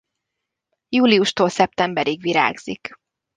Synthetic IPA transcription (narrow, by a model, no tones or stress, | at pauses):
juːliuʃt̪oːlsɛp̚t̪ɛmbɛɾiɡʋiɾa̰ːɡz̥ḭk